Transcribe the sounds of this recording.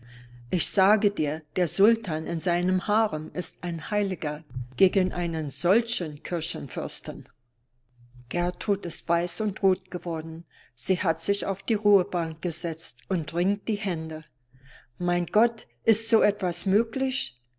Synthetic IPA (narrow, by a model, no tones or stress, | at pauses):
ʔɪçz̥aːɡədiːɐd̥eːɐzʊltʰaːnɪnzaɪnəmhaːʁənʔɪstaɪnhaɪlɪɡɐɡ̥eːɡənʔa̰ɪnənz̥ɔlçənkʰɪɐçənfʏɐstən | ɡ̥ɛɐtʁ̥uːtɪstv̥aɪsʊntʁoːt̚ɡ̥əvɔɐdn̩ | z̥iːhatz̥ɪça̰ʊfd̥iːʁuːəbaŋkɡ̥əzɛt͡stʊntʁɪŋt̚d̥iːhɛndə | maɪnɡ̥ɔt | ʔɪstz̥oːɛtv̥asmøːklɪç